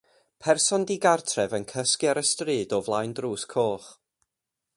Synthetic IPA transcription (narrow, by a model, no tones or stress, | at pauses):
pʰɛrsɔndiɡartʰrɛvənkʰəskjaɾəstrɨːdɔvlˠajndruːskʰoːχ